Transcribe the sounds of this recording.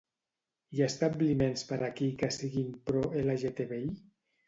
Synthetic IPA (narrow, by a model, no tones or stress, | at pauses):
jast̪ablimenspaɾʔakikasiɣimpɾɔelaʒet̪eβei